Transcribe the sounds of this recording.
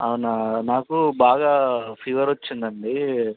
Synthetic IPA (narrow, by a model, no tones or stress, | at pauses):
ɐnɐnaːkubaːɡaːpʰiːʋɐɾot͡ʃːind̪ɐɳɖi